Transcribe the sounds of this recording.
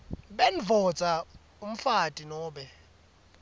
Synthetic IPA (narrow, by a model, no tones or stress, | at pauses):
ɓenvʱɔt͡sʼa | um̩fatʼinɔːɓɛ